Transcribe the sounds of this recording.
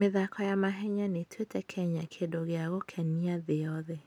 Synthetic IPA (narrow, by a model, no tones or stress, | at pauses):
meðakʰɔjamaɦɛɲanetʰwetɛkʰɛɲakʰedoɣeaɣokʰɛniaðejɔðɛ